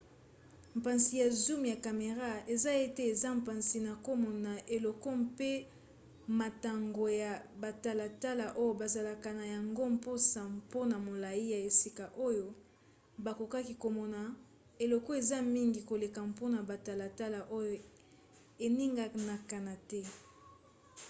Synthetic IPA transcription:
m̩˨pa˨nsi˨ja˨zu˦mja˨ka˨me˨ʁa˦e˨za˦je˦tɛ˦e˨za˦m̩pa˨nsi˨na˨ko˦mɔ˨na˨ʔe˨lɔ˨kɔ˦mpe˦ | ma˨ta˨ŋɡo˨ja˨ba˨ta˨la˨ta˦la˨ʔo˦jo˨ba˨za˨la˨ka˨na˨ja˨ŋɡo˦mpo˦sa˨mpo˦na˨mo˨la˨ji˦ja˨e˨si˦ka˨ʔo˦jo˨ | ba˨ko˨ka˦ki˨ko˨mɔ˨na˨ | e˨lɔ˨kɔ˦e˨za˦mi˦ŋɡi˨ko˨le˨ka˨mpo˦na˨ba˨ta˨la˨ta˦la˨ʔo˦jo˨ | e˨ni˦ŋɡa˦na˨ka˨na˨tɛ˦

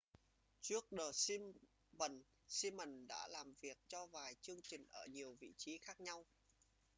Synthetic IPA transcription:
t͡ɕɨ˦˥ək̚ɗəː˨˩si˧m | mə˨˩n | si˧mːə˨˩nɗa̰ː˧˥laː˨˩mvi˨˩ək̚t͡ɕɔ˧vaː˨˩jt͡ɕɨ˧əŋt͡ɕï˨˩ŋ̟ʔəː˧˩ɲi˨˩əwvḭ˧˨t͡ɕi˨˦xaː˦˥k̚ɲa˧w

